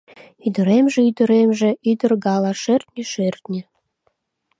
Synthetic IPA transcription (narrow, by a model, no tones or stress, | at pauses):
yd̪ə̆ɾemʒĕyd̪ə̆ɾemʒĕyd̪ə̆rɡɑlɑʃert̪nʲeʃert̪nʲĕ